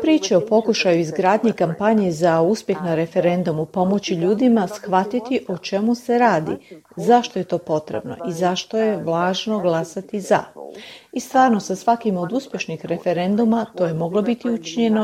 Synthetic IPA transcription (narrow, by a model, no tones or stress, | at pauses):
pɾiːt͡ʃeo̞po̞kuʃajuizɡɾaːd̪ɲikampaɲezauspʲje̞xnaɾe̞fe̞ɾe̞nd̪umupo̞mo̞t͡ɕiʎuːd̪imasxʋat̪it̪iʔo̞t͡ʃe̞muse̞ɾaːd̪ḭzaʃt̪o̞je̞t̪o̞ːpo̞t̪ɾḛbno̞̰ʔizaʃt̪o̞je̞ʋlˠaːʒno̞ɡlˠasat̪iza̰ | ist̪ʋaːɾno̞sasʋakimo̞d̪uspʲje̞ʃnixɾe̞fe̞ɾe̞nd̪umat̪o̞ːjemo̞ɡlobit̪iut͡ʃiɲe̞no